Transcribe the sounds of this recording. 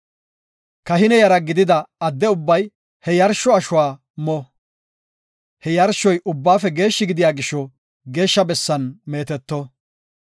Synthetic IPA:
kɐɦɪnɛjɐɾɐɡɪd̪ɪd̪ɐɐd̪ːɛʊbːɐj | hɛjɐɾʃɔɐʃʊwaː | mɔ | hɛjɐɾʃːɔjʔʊbːaːfɛɡe̞ːʃːɪɡɪd̪ɪjaːɡɪʃːɔ | ɡe̞ːʃːɐbɛsːɐnme̞ːt̪ɛt̪ːɔ

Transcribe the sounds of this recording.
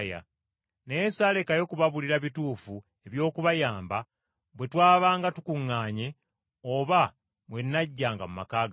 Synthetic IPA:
ja̰ | neesaːle̞kajo̞kuβaβuliɾaβituːfu | e̞βjo̞ːkuβajaːmba | βwe̞twaːβaːŋɡatukuŋːaːɲe̞ | oβa | βwe̞nːaɟːaːŋɡamuma̰kaːɡ

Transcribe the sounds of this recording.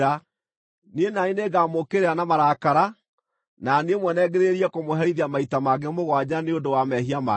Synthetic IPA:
a | nienaineɡamokeɾeanamaɾakaɾa | naneemwɛnɛɣeɾeɾiɛkomoɦɛɾiðiamaitamaɡɛmoɣwad͡ʑaneondowamɛhiama̰

